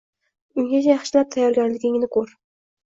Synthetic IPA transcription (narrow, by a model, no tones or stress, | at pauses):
ʊŋɡʲat͡ʃʰajɑχʃɪlap̚t̪ʰajːɒɾɡʲanlɪɡʲɪŋnɪkʰɵɾ